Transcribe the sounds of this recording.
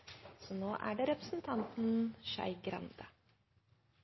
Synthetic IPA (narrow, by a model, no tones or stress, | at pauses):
sɔnoːʔæ̰ɖɛɾɛpɾəsn̩t̪ʰɑnt̪n̩ʃæ̰ɪɡɾɑ̰nd̪ə